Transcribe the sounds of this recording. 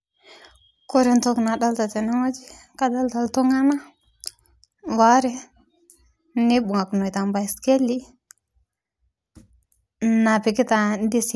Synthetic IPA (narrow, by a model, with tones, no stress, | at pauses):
ko˦ɾe˦nto˦kna˨ɗa˦lta˨te˨no˦ŋo˦d͡ʒi˦ | ka˦da˦lta˨lto˦ŋa˦na˦ | wa˦ɾe˦ | ne˦bu˨ŋa˨kno˨jta˨mba˨i˨ske˦lːi˦ | na˨pe˨ki˦ta˨n˦di˦si˨